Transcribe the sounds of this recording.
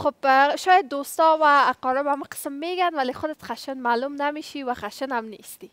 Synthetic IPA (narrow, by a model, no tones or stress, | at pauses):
xobʃɑjad̪ːost̪ɔwaːqɔɾɪbamuqə̥səmːeɡanwalexʊd̪at̪χaʃənmalumnameʃiwaxaʃənamnḛst̪i